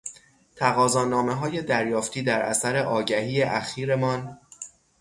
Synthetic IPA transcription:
t̪ʰæɣɒːzɒːnɒːme̞ɦɒːje̞d̪æɾjɒːft̪ʰiːd̪æɾʔæ̰sæɾe̞ʔɒːɟæhiːeʔæxiːɾe̞mɒːn

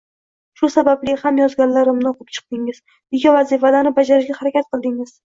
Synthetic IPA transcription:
ʃʊsabablɪhamjɒzɡʲanlaɾɪmnoqʰɨp̚t͡ʃʰɨ̥q̚d̪ɪŋɪz̥ | ɪɡʲavazifalanɪbad͡ʒaɾɪʃɡʲahaɾakʲat̪̚qɨlˠd̪ɪŋɪz̥

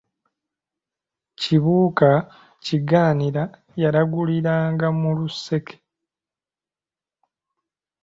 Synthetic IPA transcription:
ciβuːka | ciɡaːniɾa | jaɾaɡuliɾaːŋɡamuluse̞ke̥

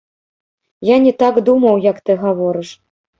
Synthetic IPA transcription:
janʲɛt̪aɡd̪umɐwjɐkt̪ɨɣavɔɾɨʂ

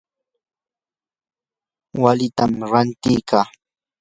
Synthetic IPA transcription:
walɪt̪amɾant̪ɪkaː

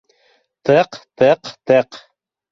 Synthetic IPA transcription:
t̪ɤqt̪ɤqt̪ɤq

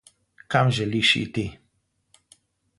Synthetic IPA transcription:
kamʒɛliʃḭt̪i

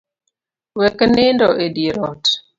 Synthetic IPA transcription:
wɛknendɔʔediɾɔt

